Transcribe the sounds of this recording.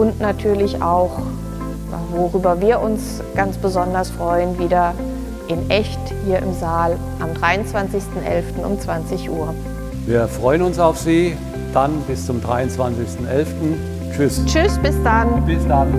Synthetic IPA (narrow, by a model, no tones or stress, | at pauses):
ʔʊntnatʰyːɐlɪçʔa̰ʊx | ja̰voʁyːbɐviːɐʔʊns | ɡ̥ansb̥əzɔndɐsfʁ̥ɔʏənviːdɐ | ʔɪnʔɛçthiːɐʔɪ̰mzaːl | ʔamdʁaɪʊnt͡sv̥ant͡sɪçstn̩ʔɛ̰lftn̩ʊ̰mt͡sv̥ant͡sɪçʔuːɐ | viːɐfʁ̥ɔʏənʊnsaʊfz̥iː | d̥anbɪst͡sʊmdʁa̰ɪʊnt͡sv̥ant͡sɪçstn̩ʔɛlftn̩ | t͡ʃʏst͡ʃʏsb̥ɪsd̥anb̥ɪsd̥an